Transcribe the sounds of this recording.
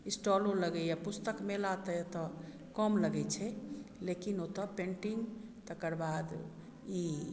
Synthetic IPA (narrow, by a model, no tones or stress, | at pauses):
isʈɔloləɡɛjapust̪əkmelat̪əet̪ɔ | kɔmləɡɛt͡ʃʰɛlekinot̪əpẽɳʈiŋɡt̪əkəɾbad̪ | i